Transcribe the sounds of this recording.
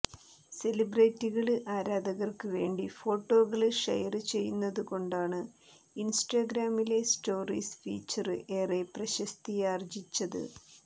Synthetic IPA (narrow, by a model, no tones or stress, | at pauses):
se̞libreːtːiɣɐɭɨʔaːɾaːd̪ɐɣɐrkɨʋe̞ːɳɖifo̞ːʈːo̞ːɣɐɭɨʂɐ̰jɐrɨt͡ɕe̞jːunːɐðuko̞ɳɖaːɳɨ | insʈaɡɾaːmile̞sʈo̞ːrḭːsfḭːt͡ɕːɐrɨʔe̞ːreprɐɕɐst̪ijaːrd͡ʑit͡ɕːɐðɨ̰